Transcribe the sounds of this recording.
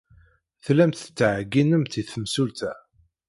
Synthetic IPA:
θlæmt̪ət͡sːʕɡːinəmt̪iθəmsult̪æ

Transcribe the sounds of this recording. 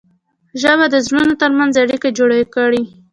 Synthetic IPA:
ʒəβad̪əzɾunot̪əɾmanzaɽikad͡ʒoɽakəɽi

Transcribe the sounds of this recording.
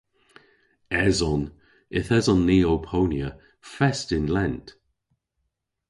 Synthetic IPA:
ɛzɔn | ɪθɛzɔnːiːowpʰownjə | fɛstɪnlɛnt

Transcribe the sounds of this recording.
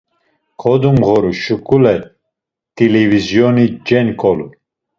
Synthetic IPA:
kʰɔd̪umɣɔɾuʃukʼulɛ | t̪ʼilɛvizjɔnid͡ʒɛnkʰʼɔlu

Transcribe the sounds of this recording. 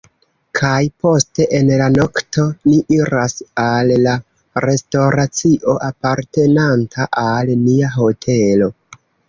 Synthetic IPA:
kʰajpo̞ste̞ʔenlano̞ktʰo̞niʔiɾasalːa | ɾe̞stoɾat͡siʔo̞ʔapaɾte̞nantʰaʔalniaɦo̞tʰe̞lo̞

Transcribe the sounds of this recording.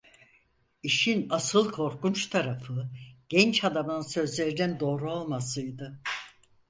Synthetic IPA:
iʃinasɯlˠkʰo̞ɾkunt͡ʃt̪ʰaɾafɯɟ̥ɛnt͡ʃad̪amɯnɯnsø̞zlʲe̞ɾid̪ɛnd̪o̞ːɾuolˠmasɯjd̪ɯ

